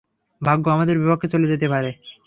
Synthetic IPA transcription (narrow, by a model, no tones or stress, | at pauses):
bʱaɡːoamad̪eɾbipakʰːet͡ɕoled͡ʑet̪epaɾe